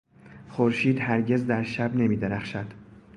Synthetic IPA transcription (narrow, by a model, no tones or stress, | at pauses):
χoɾʃiːd̪hæɾɟe̞zd̪æɾʃæbne̞miːd̪e̞ɾæχʃæd̪̥